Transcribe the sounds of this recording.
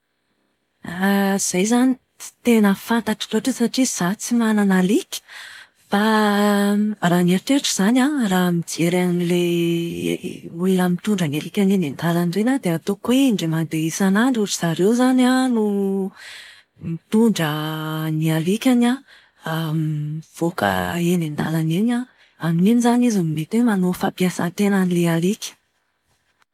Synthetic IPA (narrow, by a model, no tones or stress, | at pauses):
z̥ajzani̥ | t̪enəfant̪aʈ͡ʂḁloʈ͡ʂəsaʈ͡ʂiz̥at͡simananalikʲi̥ | b̥a | raːnaʈ͡ʂeʈ͡ʂuz̥anaramid͡ʒeɾanilḛ | ullamit̪uɳɖ͡ʐənalikʲanenend̪alanrenad̪eat̪okweɳɖ͡ʐemand̪eisanaɳɖ͡ʐuʈ͡ʂiz̥aɾewzananu | mit̪uɳɖ͡ʐənialikʲana | amv̥okə̰enend̪alanena | anininizanizimimet̪wemanofapiasa̰t̪enanilealikʲə̥